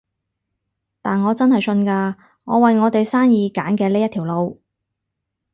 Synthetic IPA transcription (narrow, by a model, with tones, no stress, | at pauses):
t̪aː˨nŋɔː˨˧t͡sɐ˥nɦɐ˨jsɵ˧nkaː˧ | ŋɔː˨˧wɐ˨jŋɔː˨˧t̪e˨jsaː˥njiː˨˧kaː˨˥nkɛː˧leː˥jɐ˥t̪ʰiː˨˩wlo˨˧w